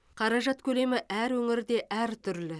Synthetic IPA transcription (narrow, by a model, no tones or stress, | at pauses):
qʰɑɾɑʒɑt̪kʲʰɵle̞mɪʔæɾwɵŋɪɾd̪e̞ʔæɾt̪ʰʏɾlɪ